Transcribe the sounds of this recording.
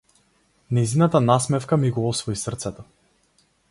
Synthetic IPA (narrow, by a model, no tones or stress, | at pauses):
nɛjzinat̪anasmɛfkamiɡɔɔsvɔisrt̪sɛt̪ɔ